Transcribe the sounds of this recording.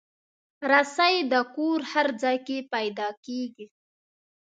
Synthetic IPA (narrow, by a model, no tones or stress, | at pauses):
ɾasajd̪əkoɾhaɾd͡zɑjkepajd̪ɑkeɡi